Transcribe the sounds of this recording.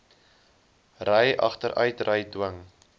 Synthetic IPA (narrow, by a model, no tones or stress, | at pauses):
rəjʔɐ̰χtəɾœɥtrəjdwəŋ